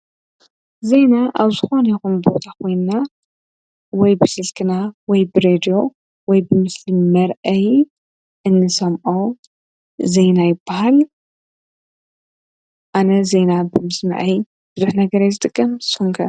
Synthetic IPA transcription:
ze̞naʔaβzɨxo̞njkunbo̞t̪ʰakʰo̞jnɨna | wɔjbɨsɨlkʰɨnawɔjbɨɾed̪ijo̞ | wɔjbɨmɨslimɐɾʔɐj | ʔɨnːɨsɐmʔo | ze̞jnajɪbːahal | ʔanɐze̞nabɨmɨsmɨ̰ʕi | b̥ɨzuħnɐɡɐɾajzɨt̪ʼɨkʼːɐmsuŋkʰɐ

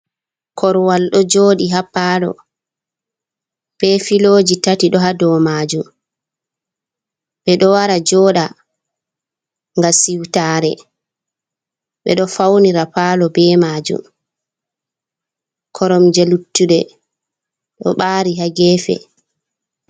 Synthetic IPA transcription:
kɔɾwalɗɔd͡ʒoːɗiɦapːaːlɔ̰ | b̥ɛfiloːd͡ʒitatiɗɔɦadɔːmaːd͡ʒum | ɓɛɗɔwaɾad͡ʒɔːɗa | ŋɡasiwtaːɾɛ | ɓɛ̰ɗɔfawniɾapaːlɔbɛːmaːd͡ʒṵm | kʰɔɾɔmd͡ʒelutːuɗɛ | ɗɔ̰ɓaːɾiɦaɡɛːfɛ̰

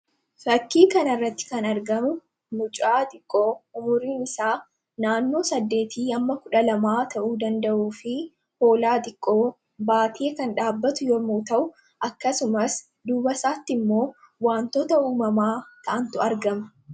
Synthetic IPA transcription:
fɐkːiːkɐnɐrːɐt̪ːɪ̥kɐnɐɾɡɐmʊ | nʊt͡ʃʼaːt̪ʼɪkʼːoːʊmʊɾiːnɪsaː | naːnːo̞ːsɐd̪ːe̞ːt̪ʰiːɐmːɐkʊᶑɐlɐmaːt̪ʰɐʔuːd̪ɐnd̪ɐʔuːfɪ | ho̞ːlaːt̪ʼɪkʼːoː | baːt̪ʰeːkɐnᶑaːbːɐt̪ʊjoːmuːt̪ɐʔʊ | ʔɐkːɐsʊmɐs | d̪uːbɐsaːt̪ːɪmːo̞ː | waːnt̪ɔt̪ɐuːmɐmaːt̪ʰɐʔɐnt̪ʊɐɾɡɐmɐ̥

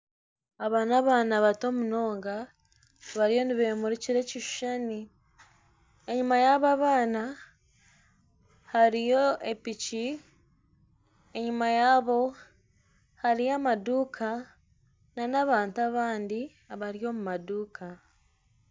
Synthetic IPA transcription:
aβaːnaβaːnaβato̞ːmuno̞ːŋɡa | βaɾijo̞niβemuɾiciɾe̞ciʃu̥ʃani | e̞ɲimajaːβaβaːna | haɾijo̞epici | e̞ɲimajaːβo̞ | haɾijamaduːkʰa | nanaβaːntaβaːndi | aβaɾijo̞mumaduːkʰa

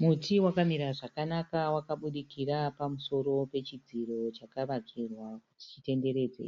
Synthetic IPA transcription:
mutiwakamiɾaʐakanakawakaɓuɗikirapamuso̞ɾo̞pe̞t͡ʃid͡ziro̞t͡ʃakaʋaɡirwakuti̥t͡ʃite̞nde̞ɾe̞ːd͡zḛ

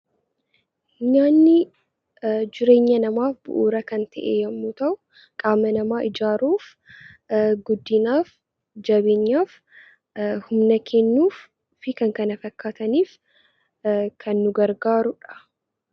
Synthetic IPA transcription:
ɲaːnːɪ | d͡ʒɪɾe̞ːɲːɐnɐmaːfbʊ̰ʔuːɾɐkɐnt̪ɐʔeːjɐmːuːt̪ɐʔʊ | kʼaːmːɐnɐmaːʔɪd͡ʒaːɾuːf | ɡʊd̪ːɪnaːf | d͡ʒɐbe̞ːɲːaːf | hʊmnɐkʰɛnːuːf | fɪkɐŋkɐnɐfɐkːaːt̪ɐniːf | kʰɐnːʊɡɐɾɡaːɾʊᶑɐ̥

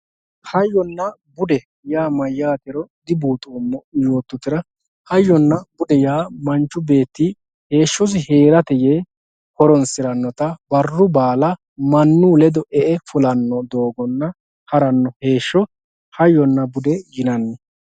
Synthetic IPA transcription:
hɐjːɔnːɐbʊd̪ɛ | jaːmɐjːaːt̪ɪɾɔd̪ɪbuːt̪ʼuːmːɔɪjoːt̪ːʊt̪ːɪɾɐ | hɐjːɔnːɐbʊd̪ɛjaːmɐnt͡ʃːʊbe̞ːt̪ːi | he̞ːʃːɔs̬ɪhe̞ːɾɐt̪ɛjeː | hɔɾɔnsɪɾɐnːɔt̪ɐbɐrːʊbaːlɐ | mɐnːʊlɛd̪ɔʔɛʔɛfʊlɐnːɔd̪o̞ːɡɔnːɐ | hɐɾɐnːɔhe̞ːʃːɔ | hɐjːɔnːɐbʊd̪ɛjɪnɐnːɛ

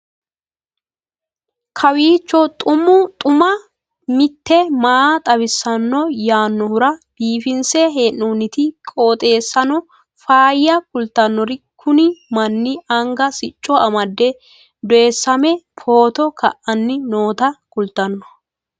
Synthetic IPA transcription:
kʰɐwiːt͡ʃːɔt̪ʼʊmʊt̪ʼʊmɐ | mɪt̪ːɛmaːt̪ʼɐbɪsːɐnːɔjaːnːɔhʊɾɐb̥iːfɪnseɦeːʔuːnɪt̪ɪkʼoːt̪ʼe̞ːsːɐnɔ | faːjːɐkʊlt̪ɐnːɔɾɪkʰʊnɪmɐnːɪɐŋɡɐsɪt͡ʃʼːɔɐmɐd̪ːɛ | d̪ɔɛsːɐmɛpʰo̞ːt̪ɔkʰɐ̰ʔʔɐnːɪnoːt̪ɐkʊlt̪ɐnːɔ̥

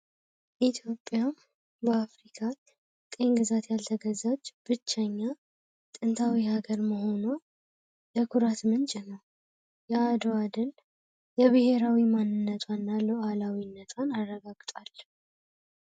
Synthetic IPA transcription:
ʔit̪ʰjo̞pʼːja | bəafɾikʰa | t̪ʼe̞nɡɨzat̪jalt̪ʰəɡəzad͡ʒb̥ɨt͡ʃːaɲːa | t̪ʼɨnt̪ʰawihaɡəɾməho̞no | ləkʰuɾat̪mɨnt͡ʃʼɪnəw | jɛad̪oad̪ɨl | jɛβɨhe̞ɾawimanːɨnːət̪ʰwanːaloʔalawinːət̪ʰwanarːəɡaɡt̪ʼal

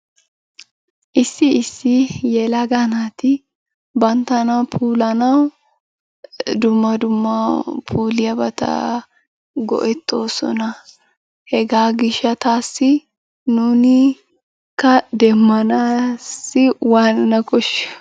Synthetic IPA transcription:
ʔɪsːɪɪsːɪjɛlɐɡanaːt̪ɪ | bɐnt̪ɐnɐpʰuːlɐnɐw | d̪ʊmːɐd̪ʊmːɐpʰuːlɪjɐbɐt̪ɐ̰ | ɡɔ̰ʔɛt̪ːo̞ːsɔ̰nɐ | hɛɡaːɡɪʃːɐt̪aːsːɪ | nʊnɪ | kːɐd̪ɛmːɐnaːsːɪwaːnnɐkɔʃːɛ̥

